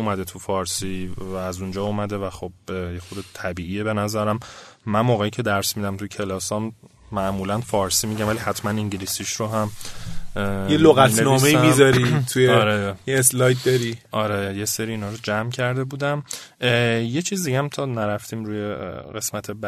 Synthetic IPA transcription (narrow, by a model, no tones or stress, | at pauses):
umæd̪et̪ʰufɒːɾsiæːzund͡ʒɒːumæd̪evæxob̚jexod̪et̪ʰæbiːʔiebe̞næzæɾæmːænmoːɣeicʰed̪æɾsmid̪æmt̪ʰujcʰe̞lɒːsɒmː | æʔmuːlænfɒːɾsiːmiɟæmvæliɦæt̪ʰmæniɲɟilisiʃɾoɦæm | jeloɣæt̪ʰnenɔmeimizɒɾit̪ʰujeɒɾejeeslɒjt̪̚d̪ɒɾiʔɒɾejeseɾiːnɒːɾod͡ʒæmcʰæɾd̪e̞buːd̪æm | jet͡ʃʰiːzd̪iɟæmt̪ʰɒːnæɾæft̪ʰiːmɾuːjeɣe̞smæt̪ʰeb